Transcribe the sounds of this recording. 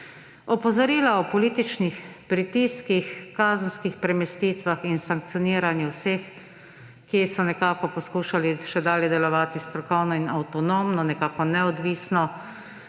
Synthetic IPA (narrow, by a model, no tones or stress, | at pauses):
ɔpɔzɔɾiːlaɔpɔliːt̪it͡ʃnixpɾit̪iːskixkaːzən̩skixpɾɛmɛst̪iːt̪ʋaxinsaŋk̚t̪sijɔniːɾanjɛwsex | kːisɔnɛkaːkɔpɔskuːʃaliʃɛd̪aːljɛd̪ɛlɔʋaːt̪ist̪ɾɔkɔwnɔinawt̪ɔnomnɔnɛkaːkɔnɛɔd̪ʋiːsnɔ